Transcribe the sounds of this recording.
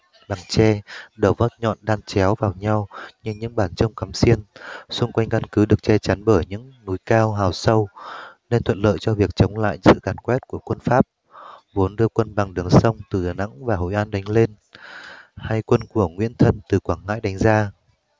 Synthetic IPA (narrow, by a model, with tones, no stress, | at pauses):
la˨˩ŋt͡ɕɛ˧ɗə˨˧˩wvə˦˥t̚ɲɔ̰˧˨nɗaː˧nt͡ɕɛ˨˦wvaː˨˩wɲa˧wɲɨ˧ɲɨ̰˧˥ŋɓaː˧˩nt͡ɕə˧wŋ͡mka˨˦msi˧ənsʊ˧ŋ͡mkwa˧jŋ̟ka˧nkɨ˨˦ɗɨ˨˩ək̚t͡ɕɛ˧t͡ɕa˨˦nɓəː˧˩jɲɨ̰˧˥ŋnu˨˦jkaː˧wɦaː˨˩wsə˧wne˧nt̪ʰwə̰˧˨t̚lə̰ː˧˨jt͡ɕɔ˧vi˨˩ək̚t͡ɕə˨˦wŋ͡mla̰ː˧˨jsɨ̰˧˨kaː˨˧˩nkwɛ˦˥t̚ku˧˩əkwə˧nfaː˦˥p̚ | vo˨˦nɗɨ˧əkwə˧nɓa˨˩ŋɗɨ˨˩əŋsə˧wŋ͡mt̪ɨ˨˩ɗaː˨˩na̰˧˥ŋvaː˨˩ho̰˧˨jʔaː˨˧nɗa˨˦ŋ̟le˧n | ha˧jkwə˧nku˧˩əŋwi˧˥ənt̪ʰə˧nt̪ɨ˨˩kwaː˧˩ŋŋa̰ː˧˥jɗa˨˦jŋ̟zaː˧